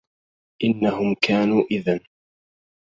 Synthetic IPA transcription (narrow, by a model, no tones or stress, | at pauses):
ʔɪnːaɦʊmkʰaːnuːʔɪðan